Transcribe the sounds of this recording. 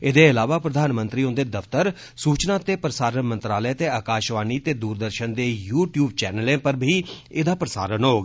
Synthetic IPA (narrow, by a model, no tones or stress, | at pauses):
ɪd̪eːɪlaːʋaːpɾəd̪ʱaːnmənt̪ɾiːõnd̪eːd̪əft̪əɾ | suːt͡ʃnaːt̪eːpɾəsaːɾənmə̃nt̪ɾaːləet̪eːaːkaːʃʋaːniːt̪eːd̪uːɾd̪əɾʃənd̪eːjuːʈjuːb̚t͡ʃɛːnəlẽːpəɾbʱiːɪd̪aːpɾəsa̰ːɾənɦoːɡ